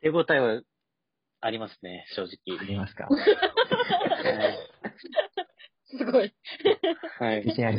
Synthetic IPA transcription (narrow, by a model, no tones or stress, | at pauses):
t̪eɡoːt̪aiβa | aɾʲimasɨ̥neɕo̞ːʑikʲiɾimasɨ̥ka̰ | a | sɨɡoi | haiisiɲaɾʲi